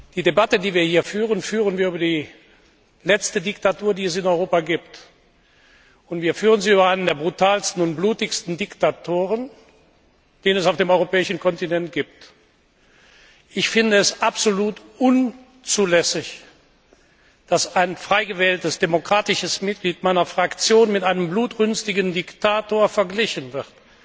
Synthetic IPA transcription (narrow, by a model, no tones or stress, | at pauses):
d̥iːdebatədiːviːɐhiːɐfyːʁənfyːʁənviːɐyːbɐdiː | lɛt͡stədɪktatuːɐdiːɛs̬ɪnɔʏʁ̞oːpaɡiːpt | ʊntv̥iːɐfyːʁ̞ənziːyːbɐaɪnəndeːɐbʁutaːlstn̩ʊnt̚b̥luːtɪçstn̩dɪktatʰoːʁən | d̥eːnənɛs̬aʊfd̥eːmɔʏʁopɛːɪʃn̩kʰɔntinɛnt̚ɡ̥iːp̚t | ʔɪçfɪndəɛsapz̥oluːtʔʊn | t͡suːlɛsɪç | d̥asaɪnfʁ̥aɪɡəvɛːltəsd̥emokʁ̥aːtɪʃəsmɪt̚ɡ̥liːtmaɪnɐfʁ̥akt͡sjoːnmɪtʔaɪnəmbluːtʁʏnstɪɡəndɪktaːtoːɐfɛɐɡlɪçənvɪʁt